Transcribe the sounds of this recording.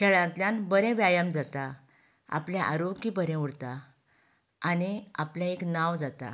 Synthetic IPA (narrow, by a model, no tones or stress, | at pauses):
kʰɛɭãt̪ljãnbəɾɛ̃ʋjajəmd͡zat̪a | a̰pljaʔa̰ɾokibəɾɛ̃uɽt̪a | aniapljãeknawd͡zat̪a̰